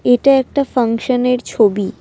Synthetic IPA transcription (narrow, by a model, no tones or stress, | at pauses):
eʈaɛk̚ʈafaŋʃoneɾt͡ɕʰobi